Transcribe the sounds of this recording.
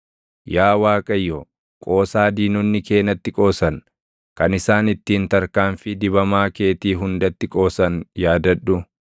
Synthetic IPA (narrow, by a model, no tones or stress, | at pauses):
jaːwaːkʼɐjːɔ | kʼo̞ːsaːd̪iːnʊnːɪke̞ːnɐt̪ːɪkʼo̞ːsɐn | kɐnɪsaːnɪt̪ːiːnt̪ɐɾkaːnfɪd̪ɪbɐmaːke̞ːt̪iːɦʊnd̪ɐt̪ːɪkʼo̞ːsɐnjaːd̪ɐᶑʊ